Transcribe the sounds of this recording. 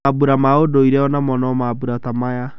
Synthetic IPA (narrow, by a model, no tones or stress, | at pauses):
abuɾamaodoiɾɛɔnamɔnɔmabuɾatamaja